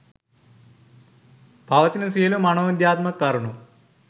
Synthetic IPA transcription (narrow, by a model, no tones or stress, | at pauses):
pɐʋɐt̪inɐsiːlumɐnoːnid̪jaːt̪mɐkːɐɾuɳu